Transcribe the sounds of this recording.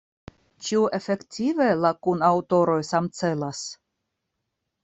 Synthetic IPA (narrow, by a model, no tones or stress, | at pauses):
t͡ʃiuʔefektʰʲivelakunawt̪o̞ɾo̞jsamt͡se̞las